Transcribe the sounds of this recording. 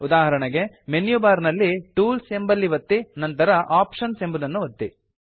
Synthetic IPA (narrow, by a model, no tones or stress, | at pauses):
ud̪aːɦɐɾɐɳɐɡe̞ | menjubaːɾnɐlːiʈuːlse̞mbɐlːiʋɐt̪ːinɐnt̪ɐɾɐʔaːpʂɐnsembud̪ɐnːuʋɐt̪ːi